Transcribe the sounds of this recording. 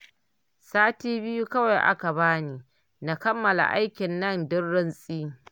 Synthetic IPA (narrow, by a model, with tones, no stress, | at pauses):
saː˦tiː˦bɪ˦ju˦kɐ˦wa˨jʔa̰˦ka˨βaː˦niː˦ | na˨kɐ˦mːɐ˨la̰˨ʔa˦jkʲɪ˨nːɐ˦˨ndɪ˦rːɪ˦nsʼiː˦